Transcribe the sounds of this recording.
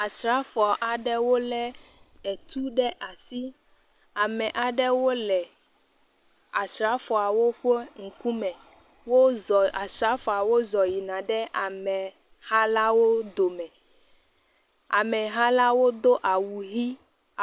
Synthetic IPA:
a˨sɾa˦fɔ˨ʔa˨ɖɛ˦wo˦lɛ˦ɛ˨t̪u˦ɖɛ˦ʔa˨si˦ | a˨mɛ̃˨ʔa˨ɖɛ˦wo˦lɛ˨ | a˨sɾa˦fɔ˨a˨wo˦ɸo˦ŋ̩˨ku˦mɛ̃˨ | wo˦ɔ˨a˨sɾa˦fɔ˨a˨wo˦zɔ˨ji˨nã˨ɖɛ˦ʔa˨mɛ̃˨ | ha˦la˦wo˦d̪o˨mɛ̃˨ | a˨mɛ̃˨ɦa˦la˦wo˦d̪o˦ʔa˨wu˨ɣi˦˨

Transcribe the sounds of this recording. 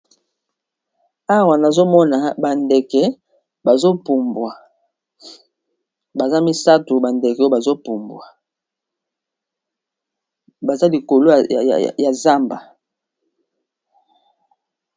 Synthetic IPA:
a˦wa˨na˨zo˦mɔ˦na˨ba˨nde˨kɛ˨ | ba˨zo˦pu˨mbwa˨ | ba˨za˦mi˦sa˦tu˨ba˨nde˨kɛ˨˦ba˨zo˦pu˨mbwa˨ | ba˨za˦li˨ko˨lo̰˦˨ja˨za˦mba˨

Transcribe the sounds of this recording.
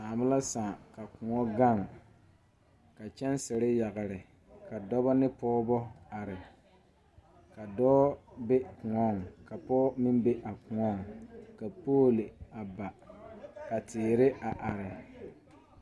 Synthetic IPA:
saː˨mʊ˦la˦saː˨ka˨kʊ˨ŋɔ˦ɡa˦˨ŋ | ka˨t͡ʃɛ˦nsɪ˨ɾɪ˦ja˨ɣɪ˨ɾɪ˨ | ka˨dɔ˦bɔ˦nɪ˦pɔː˦bɔ˦a˨ɾɪ˨ | ka˨dɔː˦be˦kʊ˨ŋɔ˦˨ŋka˨pɔː˦mɪ˦nbe˦ʔa˨kʊ˨ŋɔ˦˨ŋka˨poː˦lɪ˨a˨ba˨ | ka˨tɪː˨ɾɪ˦a˨ʔa˨ɾɪ˨

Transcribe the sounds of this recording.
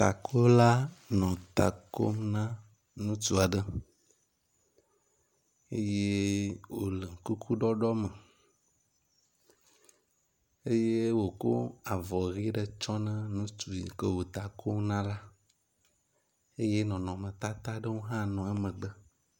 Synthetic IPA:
t̪a˨kʰo˦la˦nɔ̃˨t̪a̰˨ko̰˦mnã˦ | nũ˦t̪u˦a˨ɖə˦ | e˦je˦wo˨lə˨ŋ˨ku˦kʰu˦ɖɔ˦ɖɔ˦mə˨ | e˦je˦wo˨ko̰˦a˨vɔ˨ɣi˦ɖə˦t͡ʃɔ˦nə̃˦nũ˦tu˨ḭ˨kə˦wo˨t̪a˨kʰo˦mnã˦la˦ | e˦je˦nɔ̃˨nɔ̃˨mə̃˨t̪a˦t̪a˦ɖə˦wo˦ɦã˦nɔ̃˨ɛ˦mə̃˨ɖə˦

